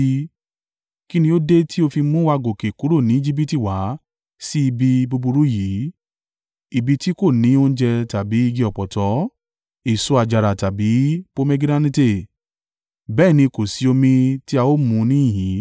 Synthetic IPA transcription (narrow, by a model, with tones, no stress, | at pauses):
ki˦nĩ˧jo˦de˦ti˦o˧fi˧mũ˦wa˧ɡo˨ke˨ku˨˦ɾo˦˨nĩ˨˦i˦d͡ʒi˦bi˦ti˦˨wa˨˦ | si˦i˧bi˧bo˧bu˧ɾu˦ji˨˦ | i˧bi˧ti˦ko˦˨nĩ˨˦o˦n̩˦d͡ʒɛ˧ta˨bi˨˦i˧ɡi˧ɔ˨pɔ˨tɔ˨˦ | i˨so˧a˧˨d͡ʒa˨ɾa˨ta˨bi˨˦po˦mɛ˦ɡi˦dã˦nĩ˦te˦˨ | bɛː˦˨nĩ˧ko˨si˨˧o˧mĩ˧ti˦a˧o˦mũ˧˦˧nĩ˦ĩ˦˨jĩ˨˦